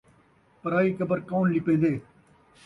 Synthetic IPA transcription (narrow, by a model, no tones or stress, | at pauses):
pɐɾaːiːkɐbɐɾkaunlipẽːnd̪eː